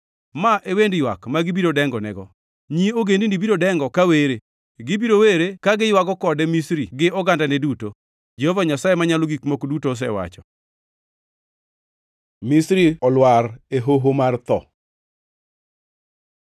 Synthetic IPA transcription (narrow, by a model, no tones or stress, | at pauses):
maʔewendjwa̰kmaɡɪbiɾodɛŋɡɔnɛɡɔ | ɲioɡendindibiɾodɛŋɡɔkaweɾe | ɡɪbiɾoweɾekaɡɪjwakɔkɔdɛmisɾiɡɪɔɡandanɛduto | d͡ʒɛhɔvaɲasajemaɲaloɡikmokdutoːs̬ɛ̰wa̰t͡ʃɔ | misɾiɔlwaɾeɦoɦomart̪ɔ̰